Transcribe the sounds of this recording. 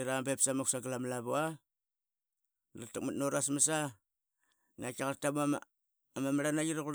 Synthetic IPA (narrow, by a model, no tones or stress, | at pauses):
ɾambepsamaksaɡalamlaβua | la̰tak̚matnoɾasmasa | nakaɣaɾtamam | amamɾanajiɾaɣuɾ